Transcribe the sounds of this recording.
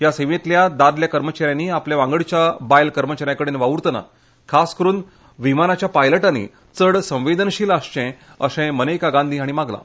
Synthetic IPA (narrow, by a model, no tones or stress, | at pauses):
jaseʋet̪ljad̪aɾljakəɾmət͡ɕaɾjaniːapljaʋãŋɡəɭt͡ɕjabajlkəɾmət͡ɕaɾjãkəɽenʋaʋuɾt̪na̰ | kʰaskəɾuːn | ʋimanat͡ɕjapajləʈanḭ | t͡səɽsə̃ʋed̪ənɕiːlaɕt͡ɕɛ̃ | əsɛ̃mənekaɡãnd̪ʱiaɽ̃imaɡla̰